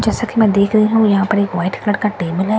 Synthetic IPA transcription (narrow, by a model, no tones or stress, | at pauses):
d͡ʒɛːsakimɛ̃ːd̪eːkʰɾɐɦiɦũjɐɦãpɐɾeːkʋaːɪʈkləɽkaʈeːbəlɦɛ